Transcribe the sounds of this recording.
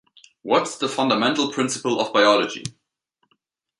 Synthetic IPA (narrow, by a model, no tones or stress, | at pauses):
wʌtzðəfʌ̃ndəmɛ̃ntl̩ˠpʰɹ̥ɪ̃nsə̥pəl̩ˠɔvbaɪɔləd͡ʒḭ